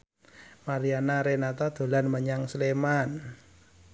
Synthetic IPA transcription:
maɾianaɾenat̪ad̪̥o̤lanməɲaŋsleman

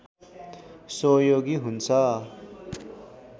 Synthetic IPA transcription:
sojoɡiɦunt͡sʰʌ

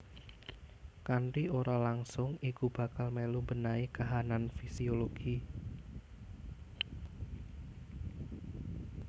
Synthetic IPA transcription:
kaɳʈioɾalaŋsʊŋikub̥ä̤kalmelumbənaikaɦananfisioloɡ̥i

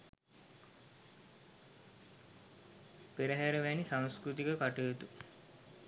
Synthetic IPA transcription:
peɾəɦæɾəʋænisãŋskɾut̪ikəkaʈəːt̪u

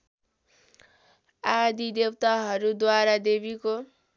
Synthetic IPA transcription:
ad̪id̪ewt̪aɦʌɾud̪waɾad̪ebiko

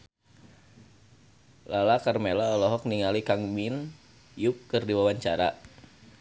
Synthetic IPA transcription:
lalakarmelaɔlɔɦɔk̚niŋalikaŋmin | jʊkːərdiwawaɲt͡ʃaɾa̰

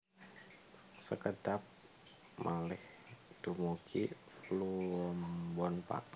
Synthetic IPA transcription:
səkədap̚ | mʔalɪh | d̥umuki | pluɔmbɔnpa̰ʔ

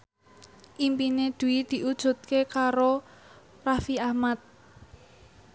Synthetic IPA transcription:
ʔimpined̪̥ṳid̪̥i̤ʔud̥ʒ̥ṳt̪̚kekaɾo | rafiahmat̪̚

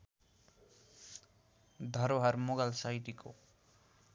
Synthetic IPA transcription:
d̪ʱʌɾoɦʌɾmoɡalsajʈiko̰

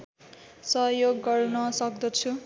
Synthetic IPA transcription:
sʌɦjoɡːʌrnʌsʌk̚d̪ʌt͡sʰu

